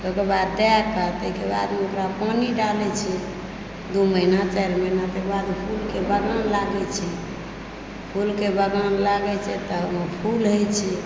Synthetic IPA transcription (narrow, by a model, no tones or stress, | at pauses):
okeɾbad̪ːɛɡkːət̪əikeba̰d̪meokɾapaniɖalɛt͡ʃʰɛ | d̪uməɦinat͡ʃɛɾməinat̪əkebad̪pʰulkebəɡanlaɡɛt͡ʃʰɛ | pʰulkebəɡanlaɡɛt͡ʃʰɛt̪ɔɦəməpʰulɦojt͡ʃʰɛ